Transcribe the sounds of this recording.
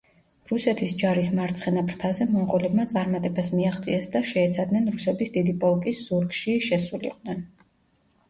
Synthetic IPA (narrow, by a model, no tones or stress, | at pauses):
ɾusɛt̪ʰisd͡ʒaɾismaɾt̪sʰχɛnapɾt̪ʰazɛmɔmʁɔlɛbmat̪sʼaɾmat̪ʼɛbasmiaʁt̪sʼiɛsd̪aʃɛːt̪sʰad̪nɛnɾusɛbisd̪id̪ipʼɔlˠkʼisz̥uɾɡʃiʃɛsulḭqʼnɛn